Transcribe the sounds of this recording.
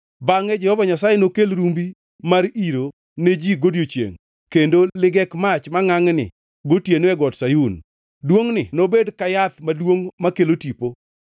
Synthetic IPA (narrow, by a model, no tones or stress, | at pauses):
baŋɛd͡ʒɛhɔvaɲasajenokelɾumbi | maɾiɾo | ned͡ʒiɡodjot͡ʃjḛŋ | kendolɪɡɛkmat͡ʃmaŋaŋnɪ̰ | ɡotjenoɛɡɔtsajun | dwoŋnɪnobedkajat̪madwoŋmakelotipo